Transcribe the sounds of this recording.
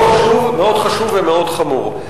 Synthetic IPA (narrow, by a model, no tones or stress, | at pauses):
ʃumeo̞d̪χaʃuvːemeo̞d̪χamṵʁ